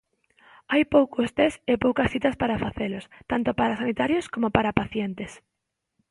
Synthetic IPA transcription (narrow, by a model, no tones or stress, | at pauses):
ajpowkost̪esepowkɐsθit̪ɐspaɾafaθelost̪ant̪opaɾasanit̪aɾjoskomopaɾapaθjent̪es